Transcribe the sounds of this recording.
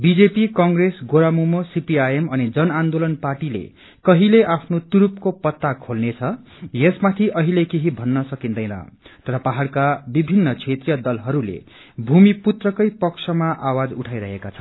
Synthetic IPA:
bid͡zepikʌŋɡresɡoɾamumosipiajemʌnid͡zʌnand̪olʌnparʈilḛ | kʌɦileʔapʰnot̪uɾup̚kopʌt̪ːakʰolnet͡sʰʌ | jesmat̪ʰiʔʌɦilekeɦibʱʌnːʌsʌkind̪ʌjnʌ̰t̪ʌɾʌpaɦaɽkabibʱinːʌt͡sʰet̪rijʌd̪ʌlɦʌɾulḛ | bʱumiput̪rʌkʌjpʌksʰʌmaʔawad͡zuʈʰajɾʌ̰ɦekat͡sʰʌn

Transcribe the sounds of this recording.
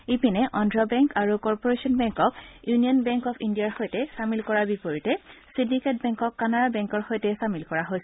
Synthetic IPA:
ipinɛʔɔndɹɔbɛŋkaɹukɔɹpoɹesiɔnbɛŋkɔkjuniɔnbɛŋkɔpʰindiaɹxojtɛsamilkɔɹabipoɹitɛsindiket̚bɛŋkɔkːanaɹabɛ̃ŋkɔɹxojtɛsamilkɔɹaɦojsɛ

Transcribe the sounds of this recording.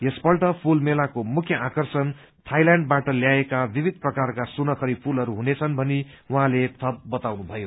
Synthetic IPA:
jespʌlʈʌpʰulmelakomukʰjʌakʌrsʌn | t̪ʰajlaɳɖ̚baʈʌljaekabibʱid̪̚prʌkarkasunʌkʰʌɾipʰulɦʌɾuɦunet͡sʰʌnbʱʌni | wuɦãlet̪ʰʌb̚ːʌt̪awnubʱʌjo

